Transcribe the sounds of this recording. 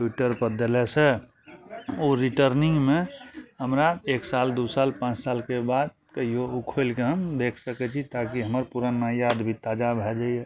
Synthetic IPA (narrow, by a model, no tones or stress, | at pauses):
puʈəɾpəɾd̪elɛse | oɾiʈəɾnĩŋɡmẽɦəmɾaeːksald̪usalpãt͡ʃsalkebad̪̚ | keijoukʰolkeɦəmd̪ekʰsəkɛt͡ʃʰit̪akiɦəməɾpuɾənajad̪bʱit̪ad͡ʒabʱɛd͡ʒaiɛ